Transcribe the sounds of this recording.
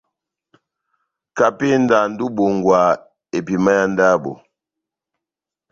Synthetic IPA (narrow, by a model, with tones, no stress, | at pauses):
ka˨pe˦n̩˦da˨n̩˦du˦bo˨ŋ̩˨ɡwa˨ | e˨pi˨ma˦ja˦n˦da˦bo̰˨